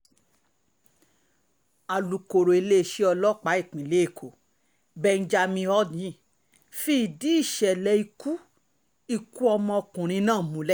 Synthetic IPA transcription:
a˨lu˨ko˨ɾo˨e˧le˦˨ʃe˦ɔ˧lɔ˦k͡pa˨˦i˦˨k͡pĩ˨le˨˦e˦˨kʰo˨ | bɛ˧n̩˦d͡ʒa˧mĩ˧ɔ˦dĩ˦˨ | fi˦˨di˨˦i˦˨ʃɛ˨lɛ˧i˧ku˦ | i˧ku˦ɔ˧mɔ̃˧ɔ˧kũ˨ɾ̃ĩ˧nãː˦˨mũ˨˦lɛ˦˨

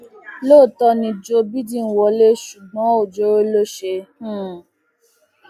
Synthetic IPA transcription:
lo˦˨tɔ˧nĩ˧d͡ʒo˧bi˦dĩ˦n̩˦wɔ˧le˦ʃu˨ɡ͡bɔ̃˨˦o˨d͡ʒo˦e˦lo˦ʃe˧hũ˦

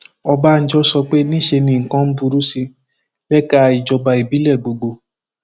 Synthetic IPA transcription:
ɔ˧ba˦˨n̩˦d͡ʒɔ˦sɔ˧k͡pe˦nĩ˦˨ʃe˧nĩ˧˦˨ŋ̩˨kã˧˦n̩˦bu˧ɾu˦si˧ | lɛ˦ka˦˨i˨d͡ʒɔ˧ba˧i˨bi˨˦lɛ˦˨ɡ͡bo˨ɡ͡bo˧

